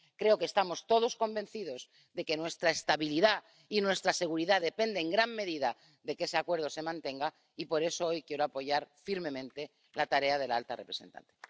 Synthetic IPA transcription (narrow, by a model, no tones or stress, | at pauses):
kɾe̞o̞kest̪amo̞st̪o̞ð̞o̞sko̞mbe̞n̟θiðo̞z | ðe̞ke̞nwe̞st̪ɾaest̪aβiliða | inwe̞st̪ɾase̞ɣuɾiðaðe̞pe̞nd̪eːŋɡɾamːe̞ðiða | ðe̞ke̞se̞akwe̞ɾð̞o̞se̞mãnt̪e̞ŋɡa | ipo̞ɾe̞so̞o̞jkje̞ɾoapo̞ʝaɾfiɾmẽ̞mẽ̞nt̪e̞ | lat̪aɾe̞að̞e̞laalt̪a̰repɾese̞nt̪a̰nt̪e